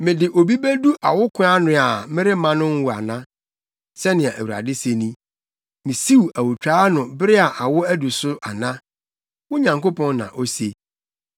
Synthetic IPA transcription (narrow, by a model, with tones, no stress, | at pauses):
mɪ̃˨dɪ˨ʔo˨bi˦be˦du˦ʔa˨wʊ˦kʰʊ̃˦a˦nʊ̃˦a˨mɪ̃˦ɾɪ˦mã˦nʊ̃˦n˦wʊ˨a̰˨nã˦ | sɛ˦nɪ̃˨a˨ʔæ˨wu˨ɾa̰˨dɪ˦se˨nĩ˦ | mɪ̃˨si˦u˨æ˨wʊ˨t͡ɕᶣaː˦nʊ̃˨bɪ˦ɾɪ˦a˨ʔa˨wʊ˦æ˦du˨sʊ˦ʔa˨nã˦ | wʊ˦ɲã˨ŋko˦pɔ̃˦nːã̰˨ʔo˦se˦